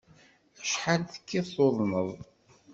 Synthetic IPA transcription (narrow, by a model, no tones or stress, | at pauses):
æʃħalθə̥kːiθoðˤməðˤ